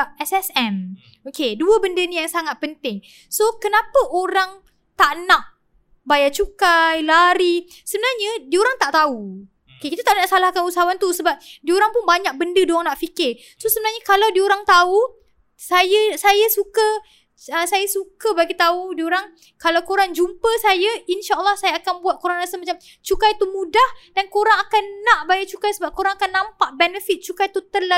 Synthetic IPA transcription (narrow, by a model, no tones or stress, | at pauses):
ɛsɛsɛm | okeduəbəndənijaŋsaŋat̪̚pənt̪ɪŋ | sokənapəʔoɾaŋ | t̪aʔnaʔ | bajat͡ʃukajlaɾi | səbənarɲədioɾaŋt̪aʔt̪au | okekit̪at̪aʔnaʔsalahkanusaɦawant̪usəbap̚dioɾaŋpʊnbaɲak̚bəndədoaŋnaʔfikɪ | sosəbənaɲakalawdioɾaŋt̪au | sajasajasukə | əsajasukabaɡit̪audioɾaŋ | kalawkoɾand͡ʒumpəsajainʃaʔəlːɔhsajaːkanbuat̪̚koɾanasamat͡ʃam | t͡ʃukajt̪umũdahdankoɾaŋakanːaʔbajat͡ʃukajsəbap̚koɾaŋakanːãmpaʔbɛnəfit̪̚t͡ʃukajt̪ut̪əla